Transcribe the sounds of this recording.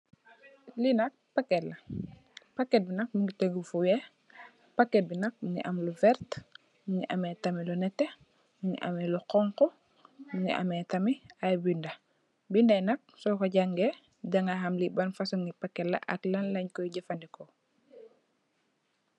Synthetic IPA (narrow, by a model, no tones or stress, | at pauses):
linɐk̚pakːɛlːɐ | pakːɛt̚binɐk̚muŋɡiteɡufuwɛ | pakːɛt̚binɐk̚muŋḭʔɐmluvɛɾt | muŋiʔɐmɛtamilunɛtːɛ | muŋiʔa̰mɛluqɔŋkɔ | muŋḭʔa̰mɛtɐmiajbindɐ | bindɐjnɐk̚sɔkɔɟaŋɡɛ | ɟaŋaɦɐmlibanfasuŋɡipakːɛlːɐ̰ʔɐ̰klɐnlɐɲkɔjɟɐfandikɔ